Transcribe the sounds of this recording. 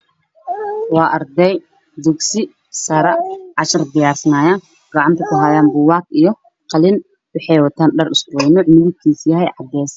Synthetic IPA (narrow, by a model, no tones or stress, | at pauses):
wɑːʔɐrd̪ɛj | d̪ʊksɪ | sɐɾɐʕɑʃɐrd̪ɪjaːrsɐnaːjaːn | ɡɑʕɑnt̪ʰɐkʊɦajaːnbʊwɑːkijɔ | qɑlɪn | wʊħɛjwɐt̪ʰaːnɖɐrɪsʊwɛjnʊːʕmɪðɪb̚kʰiːsjɐɦɛjʕɑd̪ːɛːs